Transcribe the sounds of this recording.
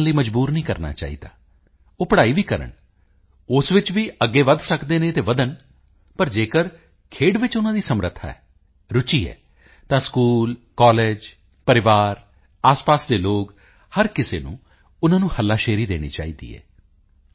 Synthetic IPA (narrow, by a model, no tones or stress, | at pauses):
nləiːməd͡ʒbuːɾnĩːkəɾna̰ːt͡ʃa̰ːḭːd̪a̰ː | oːpəɽaːiːʋiːkəɾə̰ɳ | ʊsʋɪt͡ʃʋiːʔəɡːeːʋəd̪səkd̪eːnẽːt̪eːʋəd̪ən | pəɾd͡ʒeːkəɾ | kʰeːɖʋɪt͡ʃʊnãːd̪iːsəmɾət̪ʰːa̰ːɛ̰ː | ɾʊt͡ʃiːɛ̰ː | t̪ãːskuːl | kɔːleːd͡ʒ | pəɾɪʋaːɾ | aːspaːsd̪eːloːk | həɾkɪsḛːnṵ̃ː | ʊnãːnũːhəlːaːʃeːɾiːd̪ḛːɽ̃ḭːt͡ʃa̰ːiːd̪ḭːɦɛ̰ː